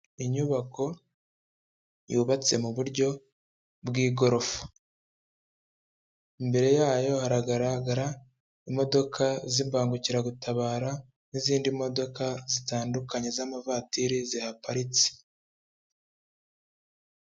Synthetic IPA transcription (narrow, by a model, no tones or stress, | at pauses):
iɲuβako̞ | juːβat͡se̞muβuɾɟo̞ | bɡiːɡo̞ɾo̞fu̥ | imbe̞ɾe̞jaːjo̞haɾaɡaɾaɡaɾa | imo̞do̞kʰazimbaːŋɡuciɾaɡutaβaːɾa | niziːndimo̞do̞kazitaːndukaɲe̞zamavatiɾizihapaɾit͡si̥